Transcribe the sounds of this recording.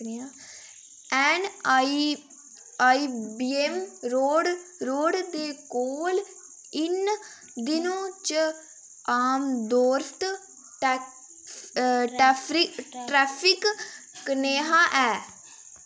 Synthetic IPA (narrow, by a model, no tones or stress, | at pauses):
a | ɛːni | aːibiːemɾoːɖɾoːɖd̪eːkoːl | ɪn | d̪ɪnõːt͡ʃ | aːmd̪oːɾt̪ | ʈː | ʈɛːpʰɾɪkʈɾɛːpʰɪkːəneːɦaːʔɛː